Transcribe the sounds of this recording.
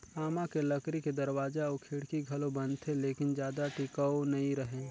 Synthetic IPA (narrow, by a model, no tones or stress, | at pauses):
aːmakelɐkɾiked̪ɐɾwaːd͡ʒaokʰɪɽkiɡʱɐlobɐnt̪ʰeleːkɪnd͡ʒjaːd̪aʈɪkawnɐĩɾɐɦẽː